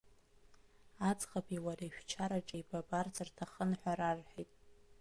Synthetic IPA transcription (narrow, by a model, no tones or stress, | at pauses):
at͡sʼχʼapʼiwaɾaiʃᶣt͡ʃʰaɾaʈ͡ʂʼaibabʼart͡sʰartʰaχənħʷᶣaɾarħitʼ